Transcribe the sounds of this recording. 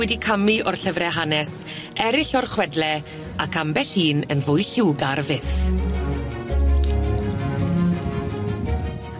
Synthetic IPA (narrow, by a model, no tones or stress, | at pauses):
wɛdikʰamiʔɔrɬəvrɛɦanɛs | ɛɾɪɬɔrχwɛdlɛ | akʰambɛɬhiːnənvʊjɬɪwɡarvɪθ